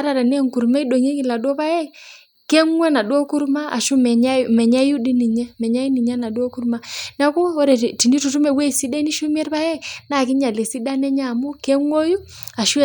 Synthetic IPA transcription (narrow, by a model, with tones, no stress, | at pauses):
a˦ɾa˨ɾa˨nɛ˦ŋku˨ɾmɛ˦i˦do˨ŋe˦ki˨la˨dwɔ˦pa˦ja˦˨ | kɛ˦ŋwɛ˦na˨ɗwo˦ku˦ɾma˦a̰˨ʃu˦mɛ˨ɲa˦mɛ˨ɲa˦ju˦di˦ni˨ɲɛ˦mɛ˨ɲa˦ji˦ni˨ɲɛ˦na˨dɔ˦ku˦ɾma˦na˦kɔ˦ɔ˦ɾɛ˨ti˨ni˦tu˨tu˦mɛ˨wɛ˦i˨si˦dɛ˦ni˦ʃu˦m˦ɛ˦rpa˦ja˦i˨na˦˨kɪ˦ɲa˨le˨si˦da˦nɛ˦ɲa˦˨mu˦kɛ˦ŋwo˦ju˦ | a˨ʃu˦˨